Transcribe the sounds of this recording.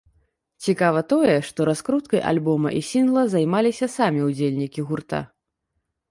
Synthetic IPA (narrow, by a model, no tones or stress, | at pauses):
t͡sʲikavɐt̪ɔjɛʂt̪ɔɾaskɾut̪kɐjʔa̰lʲbɔmɐ̰ʔisʲinɣlˠɐzajmalʲisʲɐsamʲiud͡zʲelʲnʲikʲiɣurt̪a̰